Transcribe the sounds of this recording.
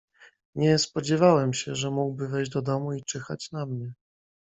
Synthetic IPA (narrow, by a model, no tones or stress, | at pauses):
ɲɛspɔd͡ʑɛvawɛmɕɛʐɛmuɡbɘvɛjʑd͡ʑd̪ɔd̪ɔmuit͡ʂɛxa̰t͡ɕnamɲɛ